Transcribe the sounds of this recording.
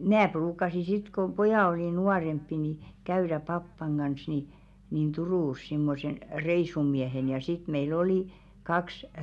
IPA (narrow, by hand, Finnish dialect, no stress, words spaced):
mnæː pruːkˑɑsi sit ko pojɑˑ oliˑ nuɑrempːi ni kæyɾæ pɑpːɑŋ ɡ̊ɑns ni nin turuˑs simːosen reisumiehen jɑ sit meil oli kɑks